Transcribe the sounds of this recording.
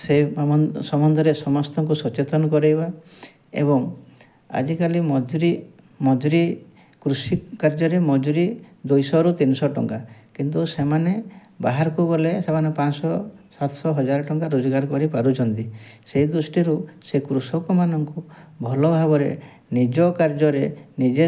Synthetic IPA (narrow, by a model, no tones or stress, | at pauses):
sesɔmɔnd̪ʱɔɾesɔmɔst̪ɔŋk̬usɔt͡ʃet̪ɔnɔkɔɾejba | ḛbɔŋ | a̰d͡ʒikalimɔd͡ʒɾi | mɔd͡ʒuɾi | kɾusikaɾd͡ʒɔɾemɔd͡ʒuɾid̪ujsɔɾut̪inɔsɔʈɔ̰ŋkakint̪usemane | baɦaɾɔkuɡɔlesemanepãsɔsat̪ʰsɔɦɔd͡ʒaɾɔʈɔŋkaɾod͡ʒɔɡaɾkɔɾipaɾut͡ʃʰɔnt̪iseid̪ɾusʈiɾusekɾusɔkɔmanɔŋkubʱɔlɔbʱaɡɔɾḛ | nid͡ʒɔkaɾd͡ʒɔɾenid͡ʒe